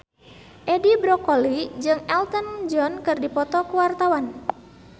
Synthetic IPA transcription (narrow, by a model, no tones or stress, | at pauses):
ʔɛdibɾɔkɔlid͡ʒɨŋɛlt̪ənd͡ʒɔnkɨrdipɔt̪ɔkuwart̪awan